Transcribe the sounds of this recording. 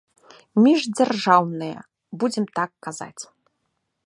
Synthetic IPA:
mʲiʐd͡zʲarʐawnɨjɐ̰ | bud͡zʲɛmt̪akːaza̰t͡sʲ

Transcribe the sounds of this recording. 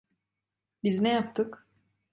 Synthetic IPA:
biznɛjap̚t̪ʰɯk

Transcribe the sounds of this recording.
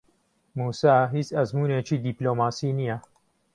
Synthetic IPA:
muːsaːɦiːt͡sɐzmuːneːt͡ʃʰiːd̪iːploːmaːsiːnijɛ

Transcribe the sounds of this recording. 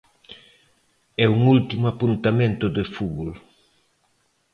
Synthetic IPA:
ɛuŋult̪imʊapunt̪amẽnt̪ʊd̪efuβol

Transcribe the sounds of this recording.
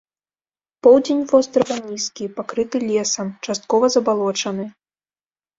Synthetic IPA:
pɔwd͡zʲenʲvɔst̪ɾɐɣɐnʲiskʲipakɾɨt̪ɨlʲɛsɐmt͡ʂast̪̚kɔvɐzɐbalˠɔt͡ʂɐnɨ

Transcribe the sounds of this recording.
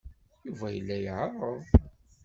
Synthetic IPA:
juvæjəlːæjʕɑrˤəðˤ

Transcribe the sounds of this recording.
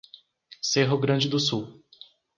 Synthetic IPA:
seɦʊɡɾɐ̃d͡ʒɪd̪ʊsuw

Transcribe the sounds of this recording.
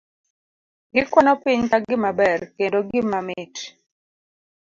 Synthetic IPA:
ɡɪkwɔnɔpɪɲkaɡɪmabɛrkendoɡɪmamɪt

